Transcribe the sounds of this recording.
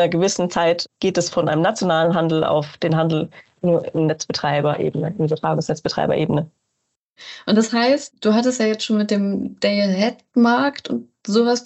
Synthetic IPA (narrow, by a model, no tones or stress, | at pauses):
nɐɡəvɪsn̩t͡saɪtɡ̥eːtɛsfɔnʔa̰ɪnəmnat͡sjonaːlənɦandl̩a̰ʊfd̥eːnɦandl̩ | nuːɐɪnnɛt͡sb̥ətʁ̥aɪbɐʔḛːbənəɪnybɐtʁ̥aːɡʊŋsnɛt͡sb̥ətʁ̥a̰ɪbɐ̰ʔḛːbənə | ʔʊntd̥ashaɪstd̥uːɦatəstjaːjɛt͡stʃoːnmɪt̚d̥eːmd̥eəɦɛt̚maɐktʊ̰nt | zoːvas